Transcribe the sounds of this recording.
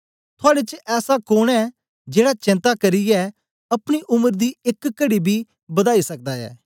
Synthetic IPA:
t̪ʰʊaːɽet͡ʃɛːsakoːɽ̃ɛː | d͡ʒeːɽat͡ʃɪ̃nt̪akɐɾiɛː | ɐpɽ̃iʔʊməɾd̪iːɪkːəɽibʱiː | bɐd̪aːisɐk̚d̪aːɛ̰ː

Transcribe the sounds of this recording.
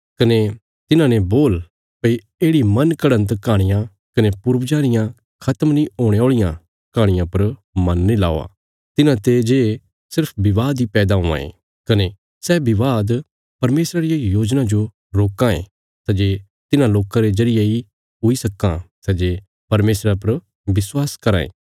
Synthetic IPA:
kɐne | t̪ɪnãneboːl | pɐi | eːɽimɐnkɐɽə̃nt̪kaːɽ̃ɪjã | kɐnepʊɾʋd͡ʒaːnɪjã | kʰɐt̪əmnĩoːɽ̃eoːɭɪjã | kãːɽ̃ɪjãpɐɾmɐnːelaːo̰a̰ː | t̪ɪnãt̪ed͡ʒe | sɪɾpʰbɪʋaːd̪ipɛːd̪aɦõːã̰ḛ̃ | kɐne | sɛbɪʋaːd̪ | pɐɾmeːsɾaɾɪjajoːd͡ʒnãd͡ʒo | ɾoːkãḛ̃ | sɛd͡ʒeː | t̪ɪnãloːkãɾezɐɾɪjei | ɦʊisɐkːãsɛd͡ʒe | pɐɾmeːsɾapɐɾ | bɪswaːskɐɾã̰ːḛ̃ː

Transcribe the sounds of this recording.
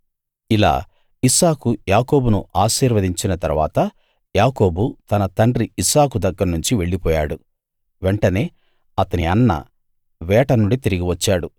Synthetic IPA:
ila̰ː | isaːkujaːko̞ːbunuʔaːʃiːɾʋɐd̪iɲt͡ʃinɐt̪ɐɾʋa̰ːt̪ɐ | jaːko̞ːbut̪ɐnɐt̪ɐɳɖriisaːkud̪ɐɡːɐɾnuɲt͡ʃiʋe̞ɭːipɔːjaːɽu | ʋeɳʈɐne̞ː | ɐt̪ɐniɐnːɐ̰ | ʋɛːʈɐnuɳɖit̪iɾiɡiʋɐt͡ʃːaːɽu

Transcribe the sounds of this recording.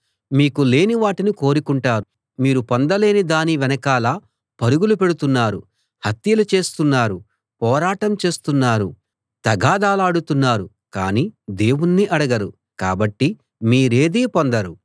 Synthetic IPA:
miːkule̞ːniʋaːʈiniko̞ːɾukuɳʈaːɾu | miːɾupond̪ɐle̞ːnid̪aːniʋɛnɐkaːlaː | pɐɾuɡulupe̞ɽut̪unːaːɾṵ | hɐt̪jɐlut͡ʃe̞ːst̪unːaːɾu | pɔːɾaːʈɐmt͡ʃe̞ːst̪unːaːɾu | t̪ɐɡaːd̪aːlaːɽut̪unːaːɾu | ka̰ːniːd̪e̞ːwunːiʔɐɽɐɡɐɾṵ | ka̰ːbɐʈːi | miːɾe̞ːd̪iːpond̪ɐɾu

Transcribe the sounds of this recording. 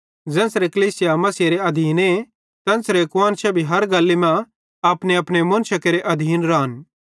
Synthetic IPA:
d͡ʒɛ̃ːnsɾekɐliːsɪjamɐsiɾeɐd̪ʱiːne | t̪ɛ̃ːnsɾekwaːnt͡ʃʰɛbʱiɦɐɾɡɐlːimɛ̃ | ɐpneɐpñemʊnʃɐkeɾeʔɐd̪ʱiːnɾaːn

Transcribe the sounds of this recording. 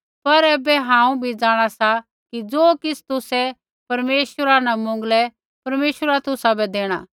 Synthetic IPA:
pɐɾɛːbɛɦãːũbʱid͡zaːɽ̃asa | kid͡zoːkɪsʰt̪ʊsɛ | pɐɾmeːʃəɾanamʊ̃ŋɡlɛ | pɐɾmeːʃəɾat̪ʊsabɛd̪eːɽ̃aː

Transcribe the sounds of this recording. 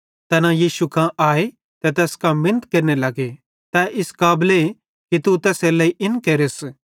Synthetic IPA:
t̪ɛnãjiːʃukãʔaːe | t̪ɛt̪ɛːskãmɪnət̪keɾnelɐɡe | t̪ɛʔɪskaːble | kit̪ut̪ɛːselɐiʔɪnkeɾes

